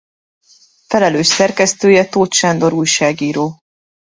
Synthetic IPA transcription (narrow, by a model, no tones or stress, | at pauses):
fɛlɛløːʃsɛrkɛst̪øːjɛt̪oːt̪ʃand̪o̞ɾuːjʃaːɡiːɾoː